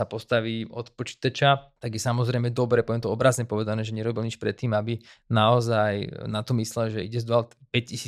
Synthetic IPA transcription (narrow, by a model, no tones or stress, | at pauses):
sapɔst̪aʋiːɔt̪pɔt͡ʃi̥ːt̪at͡ʃat̪aɡjɛsamɔzɾɛjmɛd̪ɔbɾɛːpɔɛnt̪ɔɔbɾazɲɛpɔʋɛd̪anɛːʒɛɲɛɾɔbilɲit͡ʃpɾɛt̪ːiːmabinaɔzajnat̪ɔmislɛlʒɛḭɟɛzd̪ɔalt̪pɛccisiː